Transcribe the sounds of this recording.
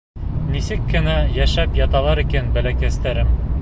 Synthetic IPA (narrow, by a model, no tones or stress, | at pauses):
nisɘkːɘ̆næjæʃæpjɑt̪ɑlˠɑɾikænbælækæst̪æɾɘm